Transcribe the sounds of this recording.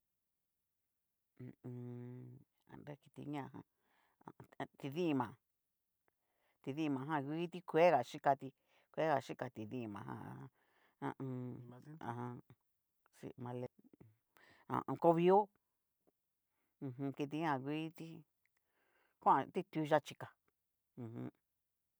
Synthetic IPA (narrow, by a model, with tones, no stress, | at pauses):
ã̰˨nɾe˦ki̥˧t̪ḭ˧ɲã˦˧hã̰˧ | a˨˧t̪i˧ðĩ˦˧mã˨ | t̪i˧ðĩ˦ĩ˧mã˨˧ɦã˦˧ɣʷi˦t̪i˦kʷe˦ɣa˨ʃi˦ka˧t̪i˧ | kʷe˦ɣa˨ʃi˦ka˧t̪i˨ðĩ˦˧˨mã˨ɦã̰˧˨a̰˧ã˧ | ã̰˧ʔã̰˧ɦã˧ | sḭ˧˨mã˧le˧ | ã̰˨ʔko˦βi˦o˦˧ | ɦũ˧ki˧t̪̬i˧˦ã˦˧˨ɣʷi˦t̪i˦ | kʷã˦ã˧t̪i˦t̪u˧˦˧ʒa˦t͡ʃi˧ka˨ | ũ˨hũ˧